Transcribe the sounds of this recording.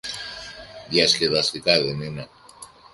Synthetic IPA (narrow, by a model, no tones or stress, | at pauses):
ðjɐsceðɐst̪ikaðenine